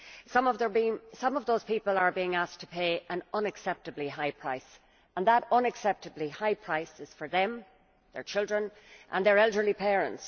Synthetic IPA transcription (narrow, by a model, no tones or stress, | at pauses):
sʌ̃mʌvðə˞bĩsʌ̃mʌvðoʊz̥pipələ˞biɪ̃ŋask̚tʰə̥pʰeɪʔə̃nʌ̃nɨksɛp̚təbliɦaɪpʰɹ̥aɪs | ə̃nðəɾʌ̃nɨksɛp̚təblihaɪpʰɹ̥aɪsɪz̥fə˞ðə̃m | ðə̰˞t͡ʃʰɪlˠdɹə̃n | ʔə̰̃nðə˞ɛlˠdə˞lipʰɛːɹə̰̃nts